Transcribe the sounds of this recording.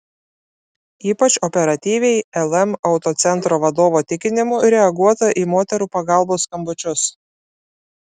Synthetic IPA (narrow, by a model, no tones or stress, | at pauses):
iːpɐt͡ʃʲɔpʲɛɾɐt̪ʲiːʋʲɛɪɛlˠɛmɐʊt̪oːt̪sʲɛnt̪ɾoːʋɐd̪oːʋoːt̪ʲɪkʲɪnʲɪmuːɾʲɛɐɡuɔt̪ɐʔiːmoːt̪ʲɛɾuːpɐɡɑˑlˠboːskɐmbʊt͡ʃʲʊs